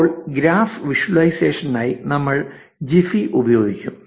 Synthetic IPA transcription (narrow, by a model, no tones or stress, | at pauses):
ɭɡɾaːfʋiʂwɐɭɐjse̞ːʂɐnːaːjinɐmːɐɭ | d͡ʑifiʔubɐjo̞ːɡikʲːum